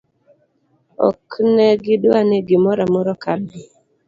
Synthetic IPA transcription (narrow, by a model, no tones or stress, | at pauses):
ɔ̰knɛɡɪdaneɡɪmɔɾamɔɾɔkadi